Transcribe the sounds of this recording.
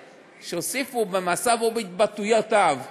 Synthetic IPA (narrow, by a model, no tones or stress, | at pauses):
ʃeosifubemasavobeit̪̚bat̪ujot̪av